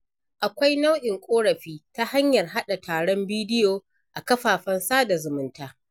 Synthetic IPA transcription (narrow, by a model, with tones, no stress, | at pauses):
ʔa˨kʷa˦jna˦wɗɪ˨ŋkʷʼoː˦ɽɐ˨ɸiː˦ta˦ha˦ɲjɐ˨rɦa˦ɗa˨tʰaː˨ɽɔ˦mbiː˦dɪ˦joː˨ | ʔa˨kɐ˦ɸaː˨ɸɐ˦nsaː˦da˨zʊ˨mʊ˨˦ntaː˦